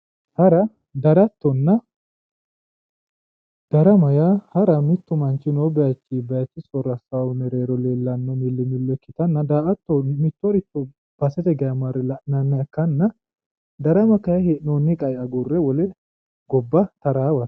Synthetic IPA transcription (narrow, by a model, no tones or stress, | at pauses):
hɐɾɐ | d̪ɐɾɐt̪ːɔnːɐ | d̪̥ɐɾɐmɐjahɐɾɐmɪt̪ːʊmɐnt͡ʃːɪnɔbɛjɐt͡ʃːɪbɛjɐt͡ʃːɪsɔɾɐsawʊmɛɾeːɾɔle̞ːlːɐnːɔmɪlːɪmɪlːɔkːɪt̪ɐnːɐd̪aːʔɐt̪ːɔmɪt̪ːɔɾɪt̪ːɔ | b̥ɐsɛt̪ɛɡɐjɐmɐɾɛlɐnɐnːɐɐkːɐnːɐ | d̪ɐɾɐmɐkɐjɐhenonːɪkʼɐjɐɡʊrːɛwɔlɛ | ɡɔbːɐt̪ɐɾaːwɐ̥